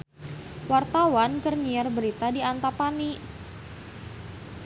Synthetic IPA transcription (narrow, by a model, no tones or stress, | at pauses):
wart̪awankərɲiarbəɾit̪adiant̪apani